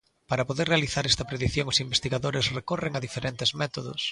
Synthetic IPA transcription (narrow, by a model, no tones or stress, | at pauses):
paɾɐpoðerealiθaɾɛst̪ɐpɾeðiθjoŋʊsimbest̪iɣaðoɾesrekoreŋaðifeɾent̪ɪzmɛt̪oðʊ̰s